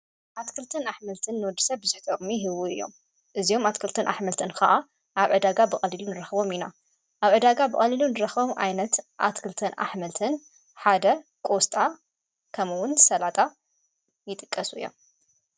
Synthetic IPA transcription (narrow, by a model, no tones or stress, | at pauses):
ʔat̪kʰɨlt̪ʰɐnaħmɐlt̪ʰɨnːɨwɔd̪ːɨsɐβbɨz̥ɨħt̪ʰokʼmiɦɨwuɨ̰jːo̞̰m | ʔɨzijo̞mat̪kʰɨlt̪ʰɨnʔa̰ħmɐlt̪ʰɨnxɐʔa | ʔaβʕɨd̪aɡabɨkʼɐlilunɨɾɐxɨbo̞mina | ʔaβʕɨd̪aɡabɨkʼɐlilunɨɾɐxbo̞mʔa̰jnɐt̪ʔa̰t̪kʰɨlt̪ʰɐnʔa̰ħmɐlt̪ʰɨn | ħad̪ɐ | kʼo̞st̪ʼa | kʰɐmɨwʊnsɐlat̪ʼa | jɪt̪ʼɨkʼːɐsuɨjːo̰m